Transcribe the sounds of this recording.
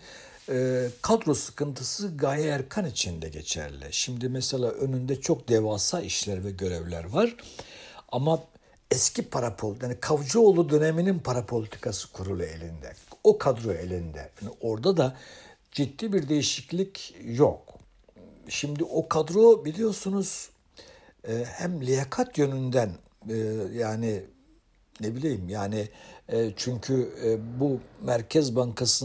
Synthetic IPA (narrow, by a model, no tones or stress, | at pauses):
kʰad̪ɾo̞sɯ̥kɯnt̪ʰɯsɯɡajaɛɾkʰanit͡ʃʰind̪ɛɟe̞̰t͡ʃʰɛ̰ɾlʲɛ̰ʃimd̪imɛselʲaːʔø̞nynd̪ɛt͡ʃʰo̞k̚d̪ɛvaːsalˠiʃlʲæɾvɛɟø̞ɾɛvlʲæ̰ɾvaɾ̥ | ama | ɛscipʰaɾapʰojaːnikʰavd͡ʒuolˠud̪ø̞nemininpʰaɾapʰo̞lʲit̪ʰi̥kʰasɯ̥kʰuɾulˠue̞̰lʲind̪ɛ̰okʰad̪ɾo̞elʲind̪ɛ̰anio̞ɾd̪ad̪a | d͡ʒid̪ːiːbiɾd̪e̞jiʃiclʲicjok | ʃimd̪iʔokʰad̪ɾobilʲijo̞sunuz̥ | hæmlʲijakʰat̪jø̞nynd̪æn | jaːni | nebilʲejimjaːni | t͡ʃʰyɲcʰybumæɾcʰɛzbaŋkʰasɯ